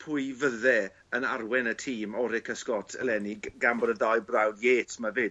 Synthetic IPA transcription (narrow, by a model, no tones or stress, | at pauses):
pʰʊjvəðɛ | ənarwɛnətʰiːmɔɾɪkʰəskɔtʰəlˠɛniɡambɔɾədajbrawdjeːtʰmavɪ